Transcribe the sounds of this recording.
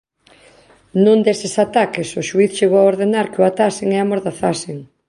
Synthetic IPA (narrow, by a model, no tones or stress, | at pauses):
nũnd̪esɪsat̪akɪsʊʃuiθʃeɣowaoɾðenaɾkeʊat̪aseŋɛamoɾðaθasɪŋ